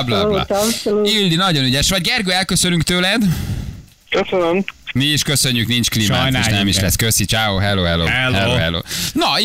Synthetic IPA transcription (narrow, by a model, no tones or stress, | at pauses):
blɑa̰uilːinɒɟo̞nyɟɛʃʋɒɟɡɛrɡøɛlkøsønyŋkt̪øːlɛd̪ | køsønømmiiʃkøsø̞ɲːyknint͡ʃkliːmma̰jnʃt̪ɛɛmiʃlɛ̰sːkøsit͡ʃaːoɦɛloːɦɛlo̰ːɛlhɛloɦɛ̰lo̰ːnɒ